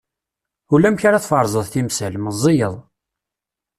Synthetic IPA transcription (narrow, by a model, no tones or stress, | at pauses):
ulæmçaɾæθfəɾˤzˤəðˤθimsælməzˤːijəðˤ